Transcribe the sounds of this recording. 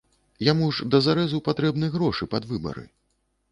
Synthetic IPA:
jamuʐd̪ɐzaɾɛzupat̪ɾɛbnɨjɣɾɔʂɨpad̪vɨbɐ̰ɾɨ̰

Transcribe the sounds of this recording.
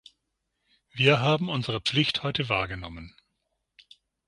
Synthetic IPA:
viːɐɦaːbm̩ʔʊnzəʁ̞əp͡flɪçthɔʏtəvaːɐɡənɔmən

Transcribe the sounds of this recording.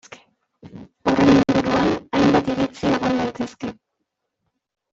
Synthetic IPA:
ke̥ | o̞renimbuɾuanajmbat̪iɾit͡sieɣond̪ajt̪e̞ske̞

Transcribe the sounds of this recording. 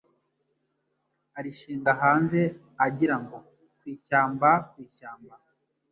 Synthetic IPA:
aɾiʃiːŋɡaɦaːnze̞ | aɟiɾaŋɡo̞ | kwiːʃaːmbakwiːʃaːmba

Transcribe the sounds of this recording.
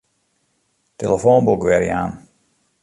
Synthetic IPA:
teləfoːnbukʋɛɾjaːn

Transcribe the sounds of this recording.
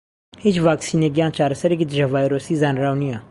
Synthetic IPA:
hit͡ʃʋaːksiːneːɡjãːnt͡ʃaːɾɐsɐɾekid̪ɪd͡ʒaʋaːjɾoːsiːzaːnɾaːwnijãː

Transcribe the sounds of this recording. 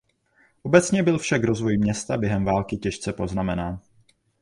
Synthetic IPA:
ʔo̞bɛt͡sɲɛbɪlfʃakɾo̞zvo̞jmɲɛst̪abjɛɦɛmvaːlkɪcɛʃt͡sɛpo̞znamɛnaːn

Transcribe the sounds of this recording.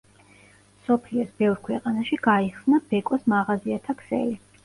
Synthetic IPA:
sɔpʰliɔsbɛvɾkʰwɛqʼanaʃiɡaiχsnab̥ɛkʼɔsmaʁaziat̪ʰakʰsɛ̰li

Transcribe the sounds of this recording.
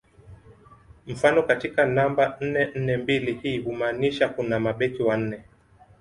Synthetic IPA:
m̩fanɔkatikanamban̩nɛn̩nɛmbilihiːhumaːniʃakunamaɓɛkiwan̩nɛ

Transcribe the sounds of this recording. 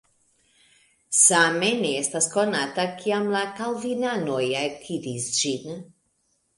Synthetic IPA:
sameneest̪askonat̪akʰiamlakalvinanojakʰid̪isʒin

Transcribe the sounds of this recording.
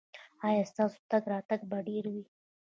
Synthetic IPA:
ɑjɑst̪ɑːso̥t̪aɡɾɑt̪aɡbaɖeɾwi

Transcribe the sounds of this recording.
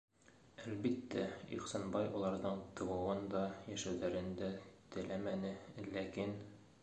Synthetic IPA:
ælbit̪ːæḭqsɑnbɑjɒlˠɑɾðɤɴt̪ɤ̆wɤ̆wɤnd̪ɒjæʃæwðæɾɘ̆nd̪æt̪ɘ̆læmænɘlækin

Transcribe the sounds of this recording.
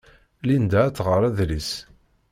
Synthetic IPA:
lind̪æt͡sːʁəɾˤæðlis

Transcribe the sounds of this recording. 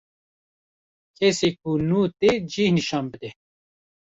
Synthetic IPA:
kʰeseːk̚unuːt̪ed͡ʒiːhniʃɑːnbɨd̪ɛ

